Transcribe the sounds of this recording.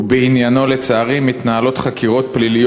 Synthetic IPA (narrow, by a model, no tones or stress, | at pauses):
beinjano̞let͡saːʁimːit̪naɦalo̞t̪χakiʁo̞t̪̚plilij